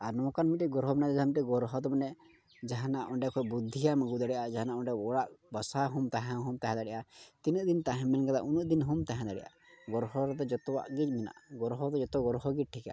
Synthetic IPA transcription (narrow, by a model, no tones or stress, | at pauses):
aɾnɔkanmitɛɡɔɾɦɔbɛnad̪ɛd̪amitɛɡɔɾɦɔt̪ɔmɛnɛ | d͡ʒaɦãnaʔɔɳɖɛkʰɔjbud̪ʱːijaməɡud̪aɽɛjʔad͡ʒaɦanaʔɔ̃ɳɖɛɔɽaʔbasaɦumt̪aɦɛ̃ɦumt̪aɦɛ̃d̪aɽɛjʔat̪inuʔd̪int̪aɦɛ̃mɛnɡad̪aʔunuʔd̪inɦumt̪aɦɛ̃d̪aɽɛ̰jʔa̰ | ɡɔɾɦɔɾɛt̪̬ɛd͡ʒɔt̪ɔwa̰ʔɡid͡ʒmina̰ʔɡɔɾɦɔt̪ɔd͡ʒɔt̪ɔɡɔɾɦɔɡiʈʰika̰